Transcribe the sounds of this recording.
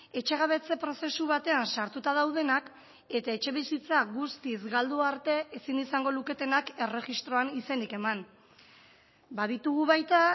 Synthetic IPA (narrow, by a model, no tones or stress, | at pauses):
e̞t͡ʃe̞ɣaβe̞t͡se̞pɾo̞se̞suβat̪e̞ansaɾt̪ut̪að̞awð̞e̞nak | e̞t̪ae̞t͡ʃe̞βisit͡saɣust̪izɣald̪uaɾt̪e̞ʔesinisaŋɡo̞luke̞t̪e̞nake̞re̞ɣist̪ɾo̞anise̞nike̞man | baðit̪uɣ̞uβajt̪a